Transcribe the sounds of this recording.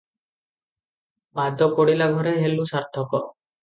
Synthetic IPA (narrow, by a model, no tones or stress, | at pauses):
bad̪ʱɔkoɽilaɡʱɔɾeɦelusaɾt̪ʰɔkɔ